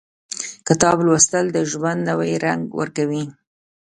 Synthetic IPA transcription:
kɪt̪ɑblwast̪əld̪əʒwand̪nawajɾaŋɡwə̰ɾkawi

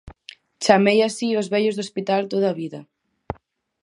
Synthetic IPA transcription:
t͡ʃamejasiozβɛʎozðospit̪alt̪oðaβiðɐ

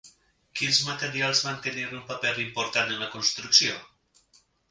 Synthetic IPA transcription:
kinzmat̪əɾialˠzβant̪əniɾumpapɛlimpoɾt̪anənləkonst̪ɾuksio

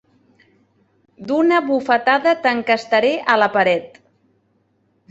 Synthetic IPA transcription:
d̪unəβufət̪aðət̪əŋkəst̪əɾeʔələpəɾɛt̪

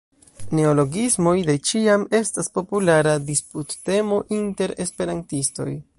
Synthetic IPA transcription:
ne̞olo̞ɡizmo̞jde̞t͡ʃiame̞staspo̞pulaɾadisputːe̞mo̞ʔinte̞ɾe̞spe̞ɾantisto̞̰j

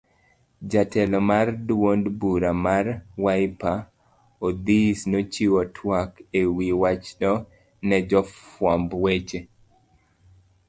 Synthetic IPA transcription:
d͡ʒatɛlɔmardwondbuɾamarwajpa | od̪isnot͡ʃiwɔtʰwakewiwat͡ʃɗɔ | nɛd͡ʒɔfwɔmbwet͡ʃe

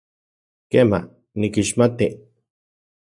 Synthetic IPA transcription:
kema̰ | nikiʃmat̪i

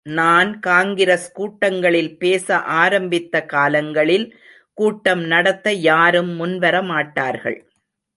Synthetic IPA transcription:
naːnkaːŋɡɪɾɐskuːʈːɐŋɡɐɭɪlpeːsɐʔaːɾɐmbɪt̪ːɐkaːlɐŋɡɐɭɪl | kuːʈːɐmnɐɽɐt̪ːɐjaːɾɯmːʊnʋɐɾɐmaːʈːaːɾɣɐ̰ɭ

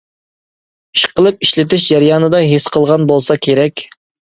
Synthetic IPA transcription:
i̥ʃqəlˠɨp̚iʃlɪt̪ɪʃd͡ʒæɾjɑːnɨd̪ɑɦesqʰəlˠʁɑnbolˠsɑkʲʰeɾɛkʲ

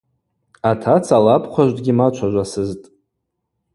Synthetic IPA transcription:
atʰat͡sʰalapʰχʷaʒʷdɡʲimat͡ʃʷʰaʒʷasɨztʼ

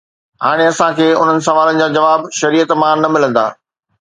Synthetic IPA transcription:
ɦaːɽ̃eɐsãkʰeːʊn̤ənɪ̆s̬ɐʋaːlənɪ̆d͡ʑaːd͡ʑɐʋaːbʃɐɾiːət̪mãnɐmɪlə̃nd̪a̰ː

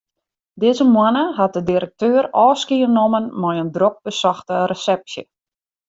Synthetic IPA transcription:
dɪːzəmwanəɦat̚dədiɾək̚tøːrɔːskiənomənmɔjəndrok̚bəsɔxtərəsɛp̚sjə̰

